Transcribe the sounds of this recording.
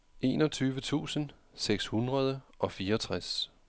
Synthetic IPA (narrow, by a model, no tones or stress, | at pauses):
ʔe̝̰ːnɒ̽t͡sʰyːʋət͡sʰṵːsən | seɡ̥shunʁɐð̞ˠəʔɒ̽fiːɐɒt͡sʰʁas